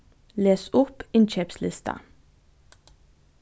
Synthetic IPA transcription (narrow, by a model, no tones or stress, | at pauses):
leːsʊpɪnt͡ʃeːpslɪst̪ʰə̰